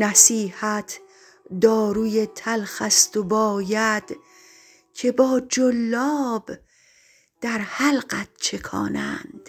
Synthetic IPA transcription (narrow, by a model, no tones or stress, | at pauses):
næsiːhæt̪ʰ | d̪ɒːɾuːjet̪ʰælxæst̪obɒːjæd̪̥ | cʰe̞bɒːd͡ʒolːɒːb | d̪̥æɾhælɢæt̪̚t͡ʃʰe̞kʰɒ̰ːnæ̰nd̪̥